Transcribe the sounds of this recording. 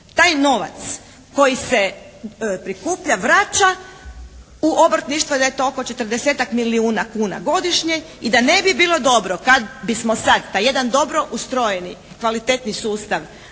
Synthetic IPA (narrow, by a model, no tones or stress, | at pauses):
t̪aːjno̞ʋa̰t̪s | ko̞jise | pɾikuːpʎaʋɾat͡ʃa | uʔo̞bɾt̪niʃt̪ʋod̪ajet̪o̞oko̞t͡ʃe̞t̪ər̩d̪eseːt̪akmiliuːnakuːna̰ɡo̞d̪iʃɲe | id̪ane̞bibiːlˠo̞d̪o̞bɾokad̪bismosad̪t̪aje̞d̪and̪o̞bɾo̞ʔust̪ɾo̞jeni | kʋalit̪et̪nisuːst̪aʋ